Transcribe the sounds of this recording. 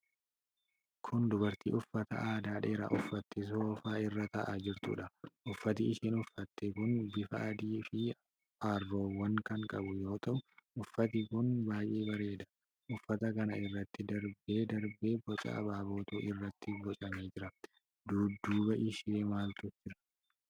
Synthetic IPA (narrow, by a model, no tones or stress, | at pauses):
kʰʊnd̪ʊbɐɾt̪ḭːʔʊfːɐt̪ɐ̰ʔaːd̪aːᶑeːɾɐ̰ʔʊfːɐt̪ːɪs̬ofaːɪrːɐt̪ɐʔaːd͡ʒɪɾt̪ṵːᶑɐʔʊfːɐt̪iɪʃinʊfːɐt̪ːɛkʊnbɪfɐʔɐd̪iːfɪ | aːrːo̞ːwɐŋkɐŋkʼɐbʊjo̞ːt̪ɐʔʊʊfːɐt̪ɪkʊnbaːjʔeːbɐɾe̞ːd̪ɐ̥ | ʔʊfːɐt̪ɐkɐnɐɪrːɐt̪ːɪd̪ɐɾbe̞ːd̪ɐɾbe̞ːbɔt͡ʃʼɐ̰ʔɐ̰baːbo̞ːt̪ṵːʔɪrːɐt̪ːɪbɔt͡ʃʼɐme̞ːd͡ʒɪɾɐ | d̪uːd̪ːuːbɐʔɪʃɪeːmaːlt̪ʊfd͡ʒɪɾɐ̥